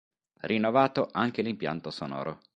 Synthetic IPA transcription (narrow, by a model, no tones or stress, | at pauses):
rinːovaːt̪oʔaŋk̟elimpja̰nt̪osonɔ̰ːɾʔo̰